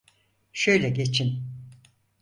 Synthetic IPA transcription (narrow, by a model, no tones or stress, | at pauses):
ʃøjlʲɛɟe̞t͡ʃʰin